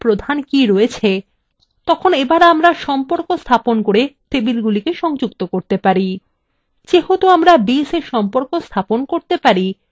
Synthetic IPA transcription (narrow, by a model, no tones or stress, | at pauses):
pɾod̪ʱankiɾɔet͡ɕʰe | t̪ɔkʰonebaɾamɾaʃɔmpoɾkost̪ʰaponkoɾet̪ebilɡulikeʃɔŋd͡ʑukt̪okoɾt̪epaɾi | t͡ɕeɦot̪oamɾabiseɾʃɔmpoɾkost̪ʰaponkoɾt̪epaɾi